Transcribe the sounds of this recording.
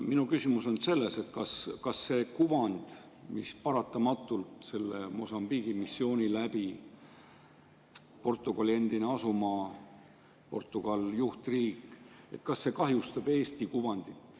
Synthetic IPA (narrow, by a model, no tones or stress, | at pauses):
minukysimuso̞nse̞lːe̞se̞t̪kɑskɑsːe̞ːkuvɑnd̪̥ | mispɑɾɑt̪ːˑɑmɑt̪ːˑult̪se̞lːḛmo̞sɑmb̥iɡ̥imisːio̞ːnʲilæbi | po̞rt̪ːˑuɡ̥ɑlie̞nd̪̥ine̞ɑsumɑ | po̞̰rt̪ːˑuɡ̥ɑljuht̪riːkːˑe̞̰t̪kɑsːe̞kɑɦjust̪ɑb̥e̞ːst̪ikuvɑnd̪̥it̪ːˑ